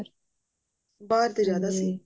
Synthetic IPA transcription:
ɾ | baːɾt̪eɾjaːd̪asi

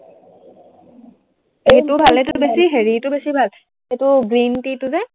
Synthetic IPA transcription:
ejtʊbʱalɛtʊbesiɦeɹitʊbesibʱal | ejtʊɡɹintitʊzɛ

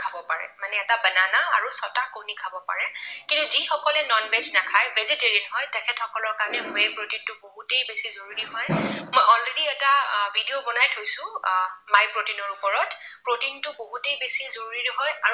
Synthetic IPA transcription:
kʰabɔpaɹɛ̰manɛːtabənanaa̰ɹusɔtakownikʰabɔpa̰ɹɛkintuzixɔkɔlɛnɔnbɛznakʰajbeziteɹinɦɔjtɛkʰɛtxɔkɔlɔɹkaɹnɛmojɛjpɹotintʊboɦutejbesizoɹuɹiɦɔjmɔjɔlɹediɛtabʱidiobɔnajtɦojsʊ̃majpɹotinɔɹupɔɹɔtpɹotintʊboɦutejbesizoɹuɹitɦɔja

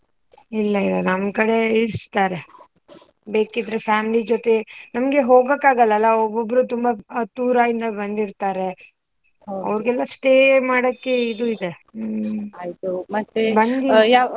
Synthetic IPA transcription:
ilːɐilɐnɐmkɐɽe̞iɽst̪aːɾe̞ | be̞ːkid̪ɾefjaːmilid͡ʒot̪e̞nɐmɡe̞ɦo̞ːɡɐkːaːɡɐlːɐlːɐobːobːɾut̪umbat̪uːɾaind̪ɐbɐnd̪iɾt̪aːɾe̞ | ɐ̰ʋɾɡɛlːɐsʈeːmaːɽɐkːe̞id̪uid̪e | ait̪umɐt̪ːebɐnd̪ija

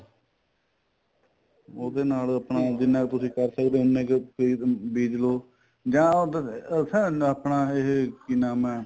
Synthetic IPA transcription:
oːd̪eːnaːləpnaːd̪ɪnãːkt̪ʊsĩːkəɾsəkd̪eːʊnːẽːkpiːbiːd͡ʒloː | d͡ʒãːoːd̪sɛːapnaːɪɦkinaːmɛː

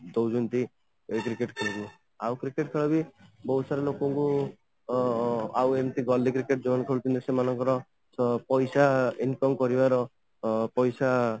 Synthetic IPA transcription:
d̪owd͡ʒunt̪i | ekɾikeʈkʰɔɭɔɡi | awkɾikeʈkʰɔɭɔbibɔɦwsaɾelokɔŋku | awent̪iɡɔlikɾikeʈd͡ʒobɔnkʰɔɽut͡ʃ̪ʰɔnt̪esemanɔŋkɔɾɔ | pɔjsainkɔmkɔɾibaɾɔ | pɔjsa

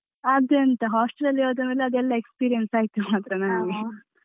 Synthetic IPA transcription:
ɐd̪eɐnt̪ɐɦaːsʈelɐlːiɾoːd̪ɐmeːlɐɐd̪ɛlːɐekspiːɾijensaːɡit̪ːumaːt̪ɾɐnaːnu

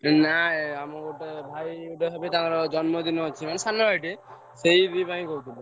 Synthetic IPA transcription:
naamɔɡoʈebʱajuʈeɦɔbet̪aaɾɔd͡ʒɔnmɔd̪inɔɦt͡ʃʰimanesanːɔbʱajʈe | sejɾibaĩkot̪ʰibɔ

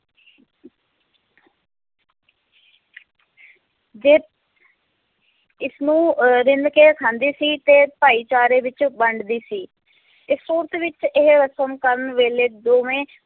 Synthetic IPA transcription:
d͡ʒeː | ɪsnũːɾɪnd̪keːkʰãːnd̪iːsiːt̪eːpaːiːt͡ʃaːɾeːʋɪt͡ʃbəɳɖd̪iːsiː | ɪsoːɾt̪ʋɪt͡ʃɪɦɾəsəmkəɾənʋeːleːd̪oːmẽː

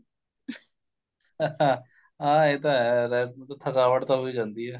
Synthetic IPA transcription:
ãː | ɦãːeːt̪ãɦɛɾɛːt̪at̪ʰəkaːʋəʈt̪ãɦoiːd͡ʒãːnd̪iːɦɛː

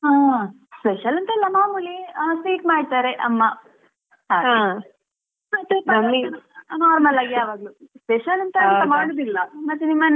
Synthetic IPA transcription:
ɦãː | speʃɐlɐnt̪ɐilːɐmaːmulisiːʈmaːɖ̚t̪aːɾeʔɐmːa | ɦaːãː | mɐt̪ːepnɐmːinaːɾmɐlaːɡiaːʋaːɡluspeʃɐlɐnt̪ɐɐnt̪ɐmaːɽod̪ilːɐmɐt̪ːenimːɐn

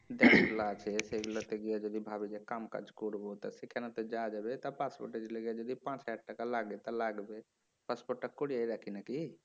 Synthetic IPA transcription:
d̪ɛslat͡ʃʰɛseɡlat̪eɡɛjad͡ʒəd̪ibʱabid͡ʒekamka̰d͡ʒkuɽbot̪ɔsikʰɛnat̪əd͡ʒad͡ʒəbet̪ɔpaspo̰ɾʈed͡ʒleɡjad͡ʒod̪ipãt͡ʃɦaɖʈəkalaɡet̪əlaɡbe | paspoʈ̚ʈəkkuɽijaiɾakʰinaki

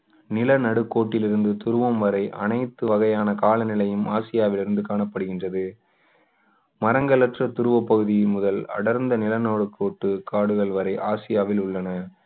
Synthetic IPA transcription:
nɪlɐnɐɽɯkːoːʈːɪlɪɾɯnd̪ɯt̪ʊɾɯʋɐmʋɐɾɐɪʔɐ̰nɐɪt̪ːɯʋɐɣɐjaːnɐkaːlɐnɪlɐjɯmaːsɪjaːʋɪlɪɾɯnd̪ɯkaːɳɐpːɐɽɯɣɪndrɐðɯ | mɐɾɐŋɡɐlɐʈrɐt̪ʊɾɯʋɐpːɐɣɯðɪjɪmʊðɐlɐ̰ɽɐɾnd̪ɐnɪlɐnoːɽɯkːoːʈːɯkaːɽɯɣɐɭʋɐɾɐɪʔaːsɪjaːʋɪlʊɭːɐnɐ

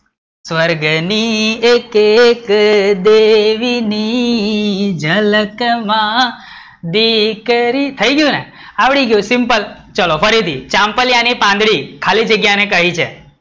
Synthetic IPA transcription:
sʋəɾɡniekekd̪eʋini | d͡ʒʱələkmã | d̪ikɾit̪ʰəiɡjũne | aʋɽiɡjũsimpəl | t͡ʃəlofəɾit̪ʰit͡ʃãmpəljanipãnd̪ɽikʰalid͡ʒəɡjanekəɦit͡ʃʰḛ

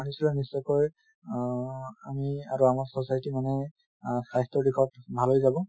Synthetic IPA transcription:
anisilɛnisɔkɔj | amiaɹuamaɹsɔsajtimanɛ | sajstɔɹdikʰɔtbʱalɦojzabɔ̃

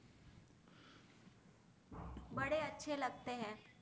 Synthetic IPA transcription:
bɐɽeɐtːʃʰelɐɡ̚t̪eɦɛ̃ː

